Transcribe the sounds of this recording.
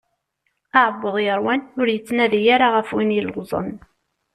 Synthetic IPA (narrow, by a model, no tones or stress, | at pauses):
aʕəbːəðˤjəɾwænʊɾjət͡sːnæðijaɾaʁəfwinjəlʁzˤə̰n